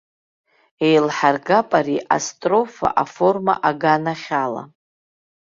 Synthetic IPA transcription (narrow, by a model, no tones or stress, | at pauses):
e̞jlħarɡapʼaɾiʔa̰stʼro̞fa̰ʔafo̞rma̰ʔaɡanaχʲala̰